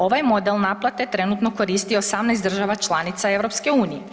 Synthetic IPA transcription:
o̞ʋajmo̞d̪elˠnaplˠat̪et̪ɾenut̪noko̞ɾiːst̪ioosamnɛjsd̪ɾr̩ʒaʋat͡ʃlˠanit̪sae̞ʋɾo̞pske̞uːnije

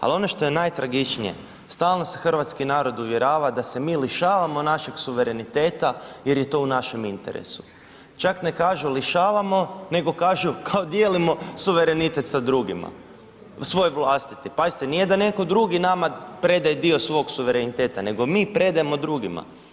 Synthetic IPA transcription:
a̰lio̞no̞ʃt̪o̞je̞najt̪ɾaɡit͡ʃnḭjḛ | st̪aːlˠno̞sexr̩ʋat̪skinaːɾo̞d̪uʋje̞ɾaːʋad̪ase̞miːliʃaːʋamo̞naʃe̞ksuʋe̞ɾe̞nit̪e̞ːt̪aje̞ɾjet̪o̞ːunaʃe̞mint̪eɾḛsu̥ | t͡ʃakne̞kaːʒuliʃaːʋamo̞ne̞ɡo̞kaːʒukʰaod̪je̞ːlimo̞suʋe̞ɾe̞nit̪et̪sad̪ɾuːɡima̰ | sʋo̞jʋlˠaːst̪i̥t̪ipazit̪enijed̪ane̞ko̞d̪ɾuɡinamapɾe̞d̪ajed̪io̞sʋo̞ɡsuʋe̞ɾenit̪e̞ːt̪ane̞ɡo̞miːpɾe̞d̪ajemo̞d̪ɾuːɡima̰

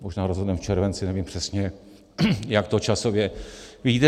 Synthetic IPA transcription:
moʒnaːɾozɦodnɛmft͡ʃɛɾvɛnt͡sɪnɛviːmpr̝̥ɛsɲɛ | jakt̪ot͡ʃasovjɛvɪɟiːt̪ɛ

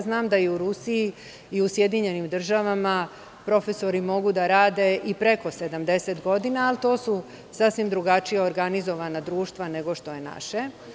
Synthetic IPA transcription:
znaːmd̪aiuɾusiji | iusje̞d̪iɲe̞nimd̪r̩ʒaʋama | pɾo̞feso̞ɾimo̞ɡud̪aɾaːd̪e̞ipɾe̞ko̞se̞d̪amd̪e̞set̪ɡo̞d̪inaːlt̪o̞ːsu | sasʋimd̪ɾuɡat͡ʃijeoɾɡanizo̞ʋanad̪ɾuːʃt̪ʋane̞ɡo̞ʃt̪o̞je̞na̰ʃe

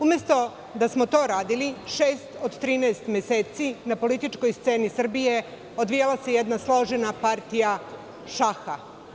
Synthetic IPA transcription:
umjest̪o̞ | d̪asmo̞t̪o̞ɾaːd̪iliʃeːst̪od̪t̪ɾiːnaest̪mʲjeseːt̪sinapo̞lit̪it͡ʃkojst̪seːnisr̩bije̞ | od̪ʋijalase̞jed̪naslo̞ʒenapaɾt̪ija | ʃaxa

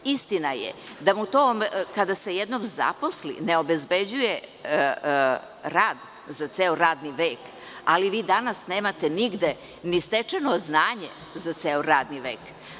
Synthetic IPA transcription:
ist̪inajḛd̪amut̪oːmkad̪ase̞jed̪nomza̰poslḭneo̞bezbed͡ʑuje | ɾaːd̪ | zat̪seːoɾaːd̪niʋeːk | aliʋiːd̪anasneːmat̪e̞niɡd̪e | nist̪et͡ʂenoznaːɲe | zat̪seːoɾaːd̪niʋḛːk

